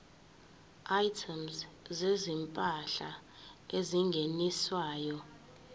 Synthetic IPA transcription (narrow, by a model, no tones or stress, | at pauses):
ajtʰɛmszezimpʼaɬaeziŋɡʱeniswaːjɔ